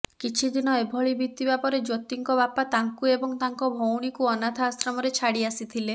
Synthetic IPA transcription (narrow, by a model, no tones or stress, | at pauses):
kit͡ʃʰid̪inɔebʱɔɭibʱit̪ibapɔɾed͡ʒot̪iŋkɔβapat̪aŋkuebɔŋt̪aŋkɔbʱowɽ̃ikuɔnat̪ʰaːsɾɔmɔɾet͡ʃʰaɽiasit̪ʰile